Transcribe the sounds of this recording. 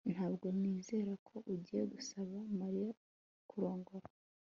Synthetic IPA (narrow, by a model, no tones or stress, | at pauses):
n̥haːbɡo̞niːze̞ːɾakʰo̞ʔuɟije̞ɡusaβamaɾija | kuɾo̞ːŋɡo̞ɾa